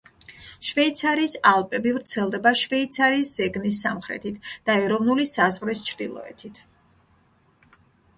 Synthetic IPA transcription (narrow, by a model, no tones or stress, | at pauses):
ʃvɛit̪sʰaɾiːsalˠpʼɛbivɾt̪sʰɛlˠd̪ɛbaʃvɛit̪sʰaɾiːsz̥ɛɡnisːamχɾɛ̰t̪ʰit̪ʰd̪̥aɛɾɔvnulisazʁɾist͡ʃʰɾd̪̥ilˠɔ̰ɛ̰t̪ʰit̪ʰ